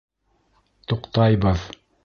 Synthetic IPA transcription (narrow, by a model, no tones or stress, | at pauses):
t̪uqt̪ɑjbɤð